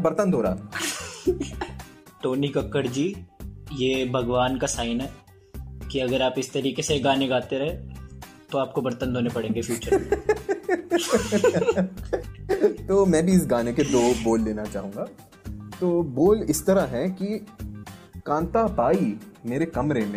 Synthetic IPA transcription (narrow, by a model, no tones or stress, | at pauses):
bɐɾt̪ənd̪ʱoːɾa̰ː | ʈoːnikɐkːəɾd͡ʒiːjeːbʱɐɡʋaːnkasaːɪnɦɛː | kiɐɡəɾaːpɪst̪ɐɾiːkeseɡaːneɡaːt̪eɾɐɦẽ | t̪oaːp̚kobɐɾt̪ənd̪ʱoːnepɐɽẽːŋɡefjuːt͡ʃəɾ | t̪oːmɛ̃ːbʱiɪs̬ɡaːneked̪oːboːlːeːnat͡ʃa̰ːɦũːŋɡaː | t̪oːboːlɪst̪ɐɾaɦɛki | kãːnt̪apaːimeːɾekɐmɾemẽː